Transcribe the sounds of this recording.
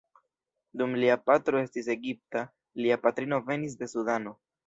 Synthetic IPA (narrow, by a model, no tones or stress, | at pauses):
dumliapatɾo̞e̞stise̞ɡip̚ta | liapatɾino̞ve̞nis̬de̞sudano̞